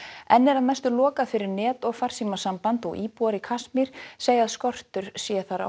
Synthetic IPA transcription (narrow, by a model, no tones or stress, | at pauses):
ɛnːɛɾaðmɛst̪ʏlɔːkaðfɪɾɪɾnɛːt̪ɔɣfar̥siːmasampant̪ɔɣʔiːpuaɾɪkʰasmɪɾ̥seːjaðskɔr̥t̪ʏɾ̥sjɛθaɾa̰